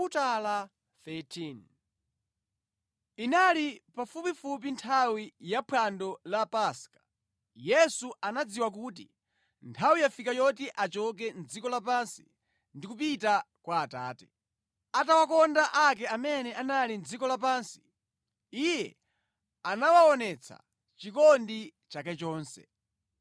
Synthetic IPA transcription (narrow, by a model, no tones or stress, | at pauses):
utala | θɛtʰin | inalipafupifup̬intʰawijapʰwandɔlapaskḁ | jɛsuʔanad͡ziwak̬uːtḭ | ntʰawijafikajɔtiʔat͡ʃɔk̬ɛnd͡zikɔlap̬ansi̥ | ndikupita | kwaːta̰ːtɛ | atawakɔndaʔakɛamɛnɛʔanalind͡zikɔlap̬aːnsi̥ | ijɛ̰ | anawaɔnɛt͡sʰa̰ | t͡ʃikɔndi | t͡ʃakɛt͡ʃɔːnsɛ̰